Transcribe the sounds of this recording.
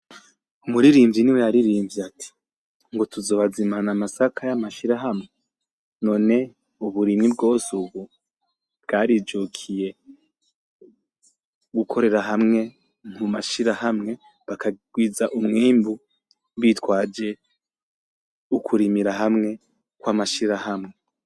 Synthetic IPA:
umuɾiɾiːmviniwejaɾiɾiːɱviatʰi̥ | ŋɡo̞tuzo̞ːβazimanamasakʰajamaʃiɾaɦamŋe̞ | no̞ːne̞ | uβuɾimŋib̚ɡo̞ːsuβu | b̚ɡaːɾid͡ʒukʰije̞ | ɡukʰo̞ɾe̞ɾaɦamŋe̞ | mumaʃiɾahamŋe̞ | βakaɡ̥wiːzaʔumŋiːmbu | βiːtwaːd͡ʒe̞ | ukʰuɾimiɾaɦamŋe̞ | kwamaʃiɾahamŋe̞

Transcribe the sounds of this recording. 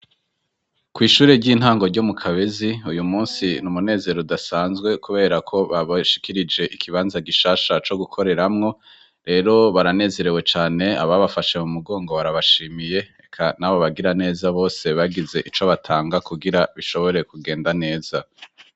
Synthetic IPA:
kwiːʃuːɾeɟiːn̥haːŋɡo̞ɾɟomukʰaβe̞ziujumuːnsinumune̞ːze̞ɾodasaːnzɡwe̞kuβe̞ːɾakʰo̞βaβaʃi̥kiɾid͡ʒe̞ʔikʰiβaːnzaɡiʃaːʃat͡ʃo̞ɡukʰo̞ɾe̞ɾamŋo̞ | ɾe̞ːɾo̞βaɾane̞ːze̞ɾewe̞t͡ʃaːne̞a̰βaβafaʃemumuɡo̞ːŋɡo̞waɾaβaʃiːmije̞ekʰanaβo̞βaɡiɾane̞ːzaβo̞ːse̞βaɡize̞ʔit͡ʃoβatʰaːŋɡakuɡiɾaβiʃo̞βo̞ɾe̞kuɡe̞ːndane̞ːz̥a

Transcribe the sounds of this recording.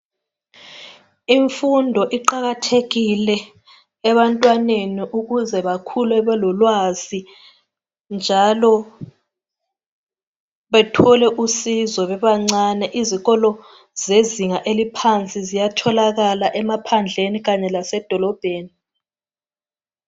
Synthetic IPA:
iɱfundʱɔʔiǃaɣatʰeɣilɛː | βantʼwaneniʔuɣuzɛβakʰulwɛβɛlɔlwazi | nd͡ʒʱalɔ | βɛtʰɔlɛʔusizɔβɛβaŋ͡ǀanɛʔiziɣɔlɔ | zeziŋaʔelipʰant͡sʼizijatʰɔlaɣalaʔɛmapʰand͡ɮʱeniɣaɲɛlasɛd̥ʱɔlɔb̥ʱeːni

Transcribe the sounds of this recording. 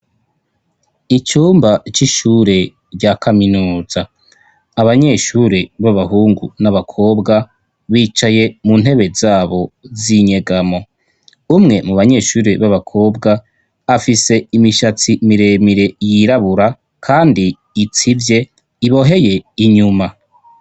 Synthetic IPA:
it͡ʃuːmbat͡ʃiʃuːɾe̞ | ɾɟaːkaminuːzaː | βaɲe̞ːʃuːɾeβaβaɦuːŋɡṵnaβakʰo̞ːbɡa | βiːt͡ʃaje̞mun̥he̞βe̞zaːβo̞ziɲe̞ɡamo̞ | umŋe̞muβaɲe̞ːʃuːɾeβaβakʰo̞ːbɡaː | fise̞imiʃat͡simiɾe̞miɾe̞jiɾaβuɾa | kʰaːndiː | t͡sivje̞ | iβo̞ɦe̞je̞iɲuma

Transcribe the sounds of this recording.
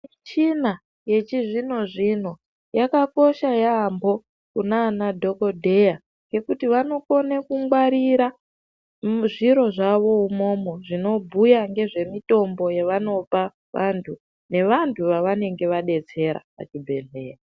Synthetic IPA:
t͡ʃina | je̞t͡ʃiʐino̞ʐin̤o̞ | jakako̞ʃajaːmbo̞ | kunaːnadʱo̞ko̞dʱe̞ja | ŋɡe̞kutiʋano̞ko̞nekuŋɡwaɾiɾa | ʐiɾo̞ʐaʋo̞umo̞mo̞ʐino̞bʱujaŋɡe̞ʐe̞mito̞mbo̞jeʋano̞pa | ʋʔantʰu | ne̞ʋantʰuʋaʋane̞ŋɡe̞ʋaɗe̞t͡se̞ɾa̰pa̰t͡ʃibʱe̞ɮe̞ːra

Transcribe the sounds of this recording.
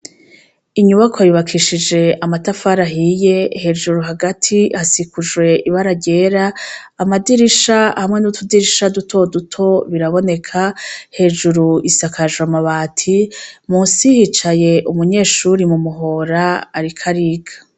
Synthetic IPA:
iɲuβakoajuβakʰiʃid͡ʒe̞amatafaɾaɦije̞he̞d͡ʒuɾuɦaɡatʰihasikuʒɡwe̞ʔiβaɾaɟe̞ːɾaːmadiɾiʃahamŋe̞nutʰudiɾiʃadutʰo̞dutʰo̞βiɾaβo̞ne̞kʰahe̞ʒuɾuisakʰaʒwamaβaːtʰimuːnsihit͡ʃaje̞ʔumuɲe̞ːʃuɾimumuɦo̞ɾaːɾikʰaɾiːɡḁ

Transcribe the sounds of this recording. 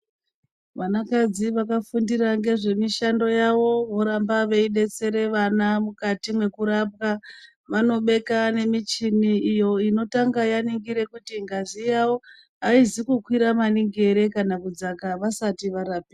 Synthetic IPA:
ʋanakad͡ziʋakafundiɾaŋɡe̞ʐe̞miʃando̞jaʋo̞ʋoɾambaʋe̞iɗe̞t͡se̞ɾe̞ʋanamukatimwe̞kuɾap̚ka | ʋano̞ɓe̞kane̞mit͡ʃiniːjo̞ino̞taŋɡajaniŋɡiɾe̞kutiŋɡazijawo̞ | ɦaizikukwiɾamaniŋɡe̞ɾe̞kanakud͡zakaʋasatiʋaɾap̚i

